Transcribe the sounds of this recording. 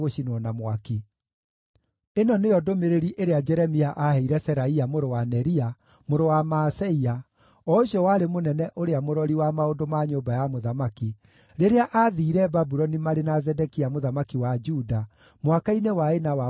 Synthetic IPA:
ɣoʃinɔnamwaki | enɔnejɔdomeɾeɾiʔeɾead͡ʒɛɾɛmiaʔahɛiɾɛsɛɾaiamoɾowanɛɾia | moɾowamaːsɛia | ɔɕɔwaɾemonɛnɛʔoɾeamoɾɔɾiwamaondomaɲoːbajamoðamaki | ɾeɾeaʔaðiːɾɛbabuɾɔnimaɾenazɛdɛkiamoðamakiwad͡ʒuda | mwakainewaenawa

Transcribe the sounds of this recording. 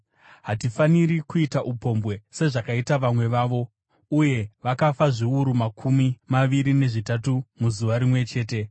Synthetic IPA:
ɦatifaniɾikuitaʔupo̞mbwe̞se̞ʐakaitaʋamwe̞ʋaːʋo̞ | uje̞ʋakafaʐiuɾumakʰumimaʋiɾine̞ʐitatumuzuʋaɾimwe̞t͡ʃe̞ːte̞

